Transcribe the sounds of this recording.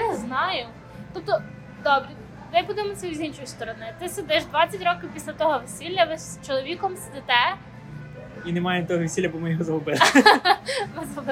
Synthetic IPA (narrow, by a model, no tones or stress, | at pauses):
znɑjʊ | t̪up̚t̪ɔ | d̪ɔbɾʲɛ | mɪbud̪emɔsʲɐzʲinʃɔjʊst̪ɔɾɔnɪt̪ɪsed̪ɪʒd̪ʋɑt͡sʲːɐtʲɾɔkʲɪwpʲisʲlʲɐt̪ɔɦɔʋesʲilʲːɐʋɪst͡ʃɔlˠɔʋʲikɔmsed̪ɪt̪ɛ | inemɑjent̪ɔɦɔʋʲesʲilʲɐbɔmɪjɔɦɔzɐʋɔbɪlˠ | mɪzɦɔbɪ